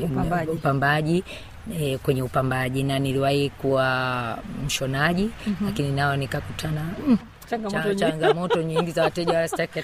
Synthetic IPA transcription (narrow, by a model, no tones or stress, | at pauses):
upambaʄi | kwɛɲɛupambaʄinaniliwahikuwa | m̩ʃɔnaʄilakininaɔnikakutʰana | aŋɡt͡ʃaŋɡamɔtɔɲiŋɡizawatɛʄawaɾastakɛ